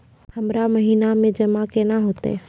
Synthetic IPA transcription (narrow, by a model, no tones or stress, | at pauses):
həmɾaməɦinamẽd͡ʒəmakenaɦoːt̪ḛ